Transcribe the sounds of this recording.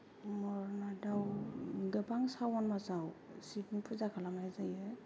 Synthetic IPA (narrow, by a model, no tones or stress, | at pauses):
mɔɾnadawɡɯbaŋsawɔnmazawsipʰnpʰɯzakʰalamajzajɯ